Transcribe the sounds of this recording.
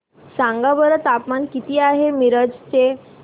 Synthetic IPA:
sãŋɡabəɾət̪apmankit̪iːaɦemiɾəd͡zt͡se

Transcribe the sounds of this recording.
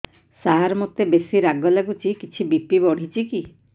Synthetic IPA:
saɦaɾɔmɔt̪ebesiɾaɡɔlaɡut͡ʃʰikit͡ʃʰibipibɔɽ̤it͡ʃiki

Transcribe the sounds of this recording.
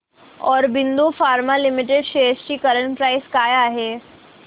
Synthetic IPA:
ɔːɾbind̪ufaːɾmalimiʈ̬eɖʃest͡ɕiːkəɾəɳpɾajskaːjaːɦe

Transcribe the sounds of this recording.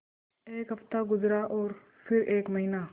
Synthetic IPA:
eːkɦɐft̪aːɡʊzɾaːʔɔːɾ | pʰɪɾeːkməɦiːnaː

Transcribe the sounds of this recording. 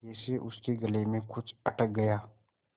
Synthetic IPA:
eseʔʊskeɡɐlemẽkʊt͡ʃʰɐʈək̚ɡɐjaː

